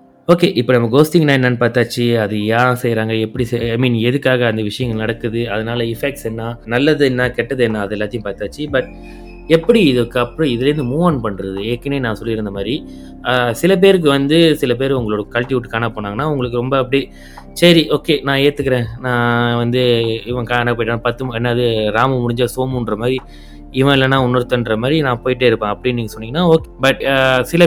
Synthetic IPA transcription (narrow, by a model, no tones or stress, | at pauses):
oːkeːʔɪpːɐnɐmːɐɡoːsʈɪŋnaːɛnːɐnpaːɾt̪aːt͡ʃːiɐðɯjaːsɛjɾaːŋɡɐɛpːɐɽisaɪmiːnɛðɯkːaːɣɐːnd̪ɐʋɪʂɐjɐŋɡɐnɐɽɐkːɯðɯɐðɐnaːlɐɪfɛk̚ʈsɛnːaːnɐlːɐðɯɛnːaːkɛʈːɐðɯɛnːaːɐðɯɛlːaːt̪ɪjʊ̃mpaːɾt̪aːt͡ʃːibɐʈ̚ | ɛpːɐɽiɪðɯkːɐpːɯɾɔ̃ɪðɪlɐɾɯnd̪ɯmuːʋɐːnpɐɳːɾɐðɯeːkːɐneːnãːsɔlːɪɾɯnd̪ɐmaːd̪ɾi | sɪlɐp̬eːɾɯk̬ːɯʋɐnd̪ɯsɪlɐp̬eːɾʊŋɡɐɭoːɽɐkɐlʈ̪ɪʋʊʈːɯkːaːnapoːnaːŋɐnːaːʊŋɡɐɭɯk̬ːɯɾɔmbɐɐpːɐɽi | sɐɾiʔoːkeːnãːeːt̪ːɯkːɐɾẽːnãːʋɐnd̪ɯɪʋɐ̃kaːnap̬oːjɪʈːaːnapɐt̪ːɯmɛnːɐɐðɯɾaːmɐmʊɽɪɲd͡ʒaːsoːmʊnɾɐmaːdɾi | ɪʋɐ̃ɪlːɐnːãːʊnːɐɾɯt̪ːɐnɾɐmaːdɾinãːpoːjɪʈ̬ːeɪɾɯpːẽːɐpːɐɽɪnniːŋɡɐsɔnːɪŋɡɐnːaːoːkebɐʈsɪlɐ